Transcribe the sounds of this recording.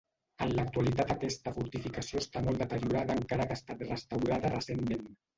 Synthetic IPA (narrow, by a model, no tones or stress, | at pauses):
ənlak̚t̪ualit̪at̪akɛst̪afuɾt̪ifikasjoest̪amold̪ət̪əɾjuɾaðaːŋkaɾakast̪at̪rəst̪awɾaðarəsemmen